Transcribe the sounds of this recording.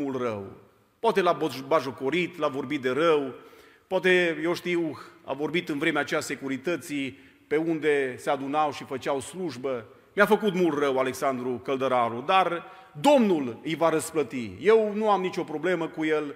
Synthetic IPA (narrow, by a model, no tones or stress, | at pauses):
mult̪rə̰w | poat̪elabbaʒoko̞ɾit̪lavo̞rbit̪̚d̪e̞ɾəw | poat̪e̞je̞wʃt̪iwa̰vo̞rbit̪ɨnvɾe̞meat͡ʃease̞kuɾit̪ət̪si | pe̞und̪e̞se̞ad̪unawʃifət͡ʃawsluʒbə | mjafəkut̪mult̪rəwale̞ksand̪ɾukəld̪əɾaɾud̪ar | d̪o̞mnulɨjvaɾəsplət̪ḭje̞wnuamnit͡ʃo̞pɾo̞ble̞məkuje̞l